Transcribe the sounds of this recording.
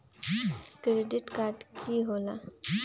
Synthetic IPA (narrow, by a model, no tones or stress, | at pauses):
kɾeɖɪʈkaːɾʈkʰiɦola